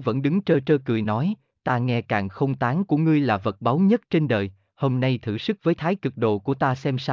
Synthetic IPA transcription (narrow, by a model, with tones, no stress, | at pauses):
və̰˧˥nɗɨ˨˦ŋt͡ɕəː˧t͡ɕəː˧kɨ˨˩əjnɔ˨˦j | t̪aː˧ŋɛ˧kaː˨˩ŋxə˧wŋ͡mt̪aː˨˦ŋku˧˩əŋɨ˧əjlaː˨˩və˨˩t̚ɓa˨˦wɲə˦˥t̚t͡ɕe˧nɗəː˨˩j | ho˧mna˧jt̪ʰɨ̰˧˩sɨ˦˥k̚vəː˨˦jt̪ʰaː˨˦jkɨ˨˩k̚ɗo̰˧˩ku˧˩ət̪aː˧sɛ˧msa˧